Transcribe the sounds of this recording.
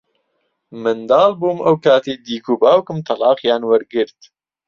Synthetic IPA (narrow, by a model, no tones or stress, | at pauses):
mɨnd̪ɑːlbuːmɐwkaːt̪ʰejd̪iːkuːbaːwkɨmt̪ʰɐlɑːqjaːnwɐɾɡɨɾt̪